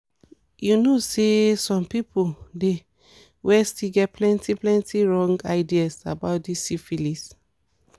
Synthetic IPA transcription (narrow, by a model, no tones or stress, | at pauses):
junosesɔ̃mpipʰode | wʔɛstiɡɛt̚plɛ̃ntʰiplɛ̃ntiɹɔ̃ŋɡaɪdiasa̰baʊtdisifilis